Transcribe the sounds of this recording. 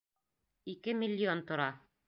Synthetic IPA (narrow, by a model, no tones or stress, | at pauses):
ikɘmʲilʲːiont̪ŏɾɑ